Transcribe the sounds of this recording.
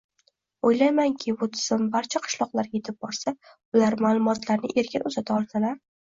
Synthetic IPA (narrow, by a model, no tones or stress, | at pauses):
ojlajmaŋkʲʰɪbʊt̪ʰɪ̥z̥ɪmbaɾt͡ʃʰaqʰɨ̥ʃlˠɒqlˠaɾjʲe̞t̪ʰɪp̚bɒɾsa | ʊlaɾmalˠʊmɒt̪laɾnɪ̰ʔe̞ɾkʲɪnʊzat̪ʰaɒlˠd̪ɪlaɾ